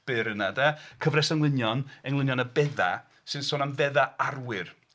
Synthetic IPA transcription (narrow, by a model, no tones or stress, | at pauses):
b̥ɨɾənadɛkʰəvrɛsəŋlˠɪnjɔnɛŋlˠɪnjɔnəbɛða̰ | sɨnsoːnamvɛðaarwɪr